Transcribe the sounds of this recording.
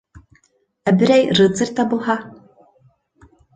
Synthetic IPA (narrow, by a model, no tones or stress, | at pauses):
æbɘ̆ɾæjɾɨt̪sɘ̆ɾʲt̪ːɑbulˠɦɑ